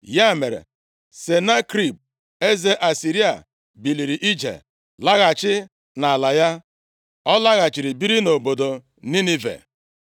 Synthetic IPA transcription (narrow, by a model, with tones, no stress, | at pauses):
ja˦˨me˨ɾḛ˨ | se˨na˦kɾi˦˨b̚ | e˦ze˦ʔa˨si˨ɾi˦a̰˨ | bi˨li˨ɾi˨ʔi˦d͡ʒḛ˨ | la˦ɣa˨t͡ʃɪ˦ | na˨a˨la˨ja˦ | ɔ˦la˦ɣa˨t͡ʃi˨ɾi˨bi˦ɾi˦no˨bo˨do˨ | ni˦ni˦vḛ˨